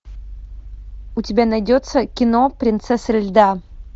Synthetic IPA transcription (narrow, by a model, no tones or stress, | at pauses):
ʊtʲɪbʲanɐjdʲot̪səkʲɪnopɾʲɪnt̪sɛsəɾʲɪlʲd̪a